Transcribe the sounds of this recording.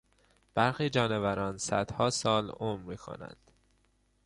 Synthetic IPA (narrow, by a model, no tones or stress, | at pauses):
b̥æɾxiːd͡ʒɒːnevæɾɒːnsæd̪̥hɒːsɒːlomɾmiːkʰo̞̰næ̰nd̪̥